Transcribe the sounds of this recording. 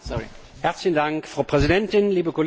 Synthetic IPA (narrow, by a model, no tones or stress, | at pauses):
sɔḭ | hæɐt͡slɪçn̩daŋkfʁ̥aʊpʁ̥ɛzidɛntɪnliːbəkʰol